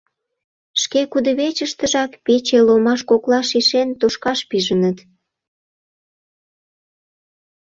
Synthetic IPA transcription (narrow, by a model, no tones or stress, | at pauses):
ʃkekud̪ə̆βet͡ɕəʃt̪əʒɑkpet͡ɕelomɑʃkoklɑʃiʃent̪oʃkɑʃpiʒənət̪